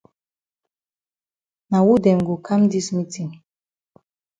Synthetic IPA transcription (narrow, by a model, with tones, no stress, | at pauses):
na˨wu˦dɛ˨m˨ɡo˨kʰa˦m˦di˦smi˦ti˨ŋ